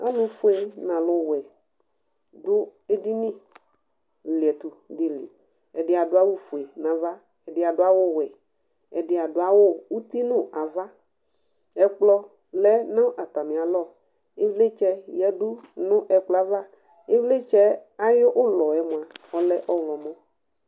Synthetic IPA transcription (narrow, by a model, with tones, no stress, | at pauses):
a̰˦lʊ˨fu˦e˨nã˨lʊ˨wɛ˨ | dʊ˦e˦di˦nĩ˦ | li˨ɛ˨t̪u˨ɖi˦lḭ˨ | ɛ˨dɪ˨˦a˨dʊ˦a˦wu˦fu˨e˨nã˨va˦ | ɛ˨dɪ˨˦a˨ɖʊ˦a˦wo˦wɛ˨ | ɛ˨dɪ˨a˨ɖʊ˦a˦wo˦wu˦t̪i˦nʊ̃˦˨ʔa˨va˦ | ɛ˦k͡plɔ˦ | lɛ˦nã˦ʔa˨t̪a˨mĩ˨a˨lɔ˦˨ | e˦vle˦t͡ʃɛ˦jɛ˦ɖu˦nʊ̃˦ʔɛ˨k͡plɔ˨˦a˦va˦ | e˦vle˦t͡ʃɛ˦a˦jo˦ʔo˦lɔ˨ɛ˨˦mõ˨a˨ɔ˦lɛ˦ʔɔ˦wlɔ˨mɔ̃˦